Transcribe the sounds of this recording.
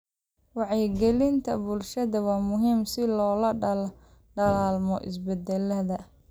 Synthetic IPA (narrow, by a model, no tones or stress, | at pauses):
wɑʕɛɡɛlɪnt̪ʰɐbʊlʃɐðɐwɑːmʊɦiːmsɪlɔːlɐɖɐlɔ | ɖɐlaːlmɔ̰ʔɪ̰sbɛd̪ɛlɐðɐ